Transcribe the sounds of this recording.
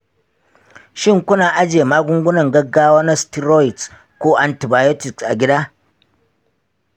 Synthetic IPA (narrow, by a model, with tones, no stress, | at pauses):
ʃɪ˦˨ŋkʷʊ˦naː˨ʔa˦d͡ʒeː˨maː˦ɡʷʊ˦ŋɡʷʊ˦nɐ˨ŋɡɐ˦ɡːaː˦waː˦na˦sti˦ɾoː˦jɪ˨ts | kʷoː˦ʔa˦nti˨baː˨jo˦tɪ˨ksʔa˨ɡʲɪ˦da˦